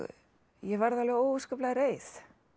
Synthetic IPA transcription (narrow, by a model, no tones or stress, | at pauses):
jɛvaɾðalvɛɣoːwvʏskœplaðɾeːjθ